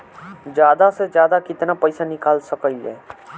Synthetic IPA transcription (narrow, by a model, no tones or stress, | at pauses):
d͡ʒjaːd̪ased͡ʒjaːd̪akɪt̪napɐɪsanɪkaːlsəkəliɛ̰ː